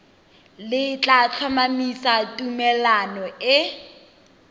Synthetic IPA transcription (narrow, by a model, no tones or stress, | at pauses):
lɪt͡ɬʼat͡ɬʰamamisatʼumɛlanɔɪ